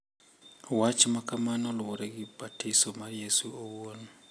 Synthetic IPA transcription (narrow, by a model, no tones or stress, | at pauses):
wat͡ʃmakamanɔlwoɾɛɡɪbatɪsomarjesuowon